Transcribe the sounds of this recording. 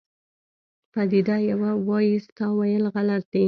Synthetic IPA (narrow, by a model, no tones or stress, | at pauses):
pad̪id̪ajawawɑjist̪ɑwajəlɣalat̪̚d̪e